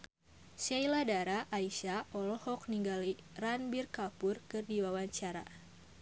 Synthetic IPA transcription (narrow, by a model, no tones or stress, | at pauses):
sajladaɾaʔaiʃaɔlɔhɔk̚niŋɡaliranbirkapʊrkɨrdiwawaɲt͡ʃaɾa̰